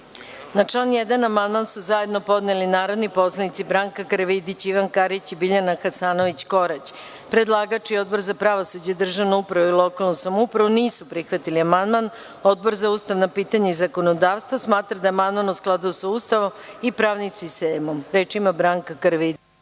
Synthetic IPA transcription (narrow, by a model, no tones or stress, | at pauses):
nat͡ʂlanjed̪anamand̪mansuzaje̞d̪no̞po̞d̪nelinaːɾo̞d̪nipo̞slˠanit̪sibɾaːŋkakaɾʋid̪it͡ɕiʋankaɾit͡ɕibiʎanaxasaːno̞ʋit͡ɕko̞ɾat͡ɕpɾed̪lˠaɡat͡ʂio̞d̪̚bo̞ɾzapɾaʋosud͡ʑed̪r̩ʒaʋnoupɾaʋuilˠo̞kalˠnosamupɾaʋuniːsupɾixʋat̪iliamand̪man | o̞d̪̚bo̞ɾzauːst̪aʋnapiːt̪aɲeizako̞nod̪aːʋst̪ʋosmaːt̪ɾad̪aeamand̪manusklˠad̪ujosauːst̪aʋomipɾaːʋnisist̪eːmomɾeːt͡ʃimabɾaːŋkakɾʋid̪i